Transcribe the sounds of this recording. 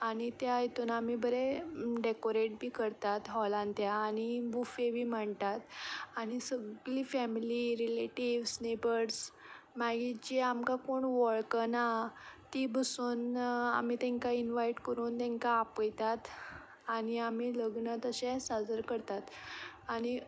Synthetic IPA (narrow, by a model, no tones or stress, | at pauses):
aɽ̃it̪jajit̪uːnam̤ibəɾeɖekoɾeʈ̚bʱiːkəɾt̪at̪ɦɔlãnt̪jaːɽ̃ibufebʱiːməɳt̪at̪aɽ̃isəɡliːfɛmiliɾileʈiʋsnebəɾs | maɡit͡ɕiamkakoɳʋɔɭkənat̪ibʱəsuːna̰m̤it̪ɛ̃ŋkainʋaiʈkəɾuːnt̪ɛ̃ŋkaːpəjt̪at̪ | aɽ̃iam̤iːləɡɳət̪əɕẽsad͡zəɾkəɾt̪at̪aɽ̃i